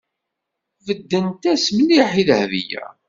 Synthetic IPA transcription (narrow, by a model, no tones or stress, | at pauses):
vəd̪ːənt̪æsməniħiðhvḭjæ̰